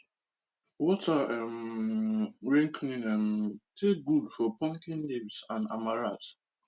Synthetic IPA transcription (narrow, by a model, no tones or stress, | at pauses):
wɔtaɛm | ɹɛ̃ŋkʰnĩnɛmtʰeɡudfɔpɔ̃ŋkĩnlibsãna̰maɹat